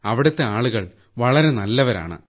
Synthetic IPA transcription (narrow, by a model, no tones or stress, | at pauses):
ɐʋiɽɐt̪ːeaːɭuɣɐɭ | ʋɐɭɐɾe̞nɐlːɐʋɐɾa̰ːɳɨ̰